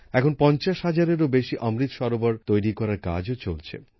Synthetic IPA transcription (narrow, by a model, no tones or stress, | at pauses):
ɛkʰonpɔnt͡ɕaʃɦad͡ʑaɾeɾobeʃiʔʌmɾit̪ʃɔɾobaɾt̪ojɾikɔɾaɾka̰d͡ʑot͡ɕolt͡ɕʰḛ